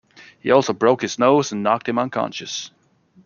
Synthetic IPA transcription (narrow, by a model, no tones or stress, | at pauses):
hḭɔlˠsoʊbɹoʊkhɨz̥noʊzɨ̃n̩ːɑk̚t̚hɨ̃mʌ̃nkʰɑ̰̃nʃɨs